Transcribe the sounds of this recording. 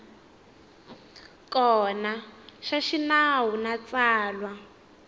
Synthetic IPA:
kɔnaʃaʃinaɦunat͡saːlwa

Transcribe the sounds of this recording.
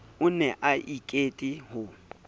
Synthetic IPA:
ʊnɛʔaʔikʼetʼiɦʊ

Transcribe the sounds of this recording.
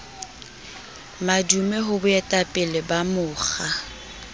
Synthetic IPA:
madumɛɦʊbʊɛtʼapʼɪlɪbamʊːχa

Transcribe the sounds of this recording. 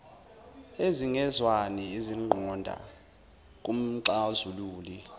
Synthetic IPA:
eziŋɛzwanɛeziŋ͡ǃʱɔndʱa̰ | k̬ʼum̩ǀazuluːli

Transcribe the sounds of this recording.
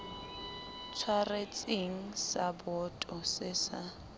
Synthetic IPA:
t͡sʰwaret͡sʼeŋ̩sabɔtʼɔsɪsa

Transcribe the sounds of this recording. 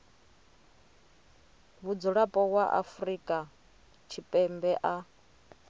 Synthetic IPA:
βud͡zuɺapʼɔwaʔa̰fɾikʼa | t͡ʃʰipʼɛmbɛʔa

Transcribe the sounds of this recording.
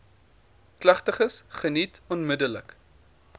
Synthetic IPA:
klɐχtəχəsχənitɔnmədələk

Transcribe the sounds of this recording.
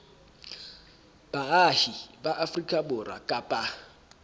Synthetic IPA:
b̥aahibaʔafrikʼabʊra̰kʼapʼa

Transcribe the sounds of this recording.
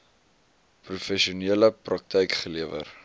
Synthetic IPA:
prufɛʃiuniələprɐk̚tʰɛjkχəliəvə̰r

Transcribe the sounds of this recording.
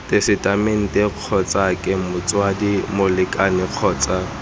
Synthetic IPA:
tʼesɪtʼamen̩tʼɛq͡χʰɔt͡sʼakʼɪmʊt͡sʼwadimʊlɪkʼanɪq͡χʰɔːt͡sʼa

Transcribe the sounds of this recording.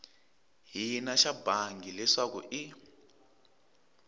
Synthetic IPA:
ɦinaʃabaŋɡilɛʂakṵʔi

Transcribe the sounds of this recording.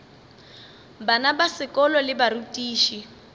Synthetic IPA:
banabasɪkʼɔlɔlɪbarutʼiːʃi

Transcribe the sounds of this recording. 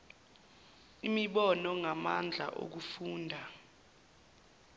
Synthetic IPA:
imiɓɔnɔŋamand͡ɮʱa̰ʔo̰k̬ufuːndʱa

